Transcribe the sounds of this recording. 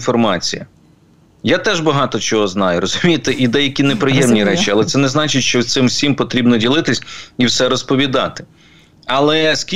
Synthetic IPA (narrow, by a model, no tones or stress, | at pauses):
fɔrmɑt͡sʲijɐ̰ | jat̪ɛʒbɐɦɑt̪ɔt͡ʃɔɦɔznɑjʊɾɔzʊmʲijt̪ɪʔid̪ɛjɐkʲinepɾɪjɛmnʲiɾɛt͡ʃiɐlˠɛt̪sɛnɛznɑt͡ʃɪtʲʃt͡ʃɔwt̪sɪmwsʲimpɔt̪ɾʲibnɔdʲilˠɪt̪ɪsʲiwsɛɾɔspɔʋʲid̪ɑ̰t̪ɪ̥ | ɐlˠɛskʲi